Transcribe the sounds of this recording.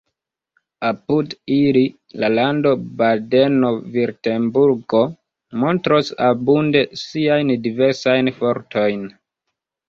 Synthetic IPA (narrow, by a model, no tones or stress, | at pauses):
apudili | lalando̞bade̞no̞viɾte̞mbuɾɡo̞ | mo̞ntɾosabunde̞siajndiveɾsajnfo̞ɾtʰo̞jn